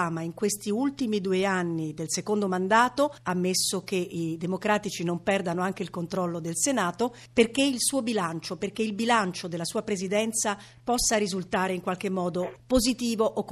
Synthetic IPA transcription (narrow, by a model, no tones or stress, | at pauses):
aːmaiŋkwest̪iult̪imid̪ueanːid̪elsekond̪omand̪aːt̪oamːesːok̟eid̪emokɾaːt̪it͡ʃinompɛrd̪anoaŋk̟eilkont̪ɾɔlːod̪elsenaːt̪o | perk̟eilsuːobilant͡ʃoperkeilbilant͡ʃod̪elːasuːapɾezid̪ɛnt̪sa | pɔsːaɾizult̪aːɾeiŋkwalk̟emːɔːd̪opozit̪iːvoʔokː